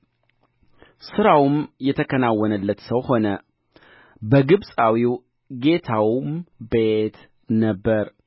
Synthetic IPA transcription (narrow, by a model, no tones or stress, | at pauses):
sɨɾawmjɛt̪ʰəkʰənawɔnəlːət̪səwho̞nə | bəɡɨβsʼawiw | ɡe̞t̪ʰawmbet̪ | nəbːəɾ